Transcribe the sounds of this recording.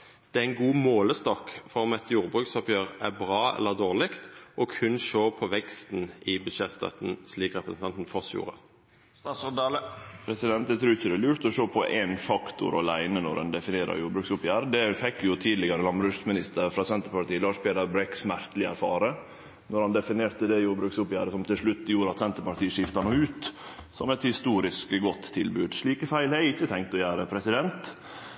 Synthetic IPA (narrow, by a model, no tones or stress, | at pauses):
d̪̥ɛæɪnɡuːmoːləst̪ɑːkfɔʁɔmɛt̪juːʁbɾʉːksɔpjøːʁæbʁɑːɛ̰lːəʁd̪oːʁlɪkt̪ʔɔkʰʉnʃoːpʰɔʋɛkst̪nɪbʉd̪ʃeːst̪ɑ̰t̪n̩sliːkʁɛpɾəsn̩t̪ɑnt̪n̩fɔsjṵːʁə | st̪ɑːt̪sɔɾd̪ɑːləpʰɾɛsɪd̪ɛnt̪̚d̪ɛt̪ʰɾʉːɪçəd̪ɛlʉːɾt̪ɔʃoːpʰɔʔɛnfɑkt̪ʊ̰ɾɔ̰læɪnənɔ̰ɾɛ̰nd̪ɛfɪneːɾɑ̰ɾjuːɾbɾʉːksʊpjæːɾd̪ɛfɛkːjʊt̪ʰiːd̪lɪɡɑɾəlɑnbɾʉʂmɪnɪst̪əɾfɾɑsɛnt̪əɾpɑʈ̪iːəlɑːʂpʰeːd̪ɑɾbɾɛksmæɾt̪əlɪæ̰ɾfɑːɾə | nɔɾhɑnd̪ɛfɪneːɾt̪əd̪ɛjuːɾbɾʉːksʊpjæːɾəsɔmt̪ʰɪlʂɭʉt̪ːjuːɾɑt̪sɛnt̪əɾpɑʈ̪iːʂɪft̪ɑnuːʉːt̪sɔ̰mɛt̪hɪst̪uːɾɪskɡɔt̪ʰːɪlbʉːd̪ʂɭiːkəfæɪlhɑɪçːət̪ʰɛŋkt̪ɔjæːɾəpʰɾɛsɪd̪ɛnt̪